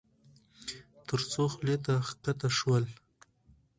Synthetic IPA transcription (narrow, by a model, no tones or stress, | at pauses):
t̪ʰəɾt͡soxlet̪akat̪aʃwəl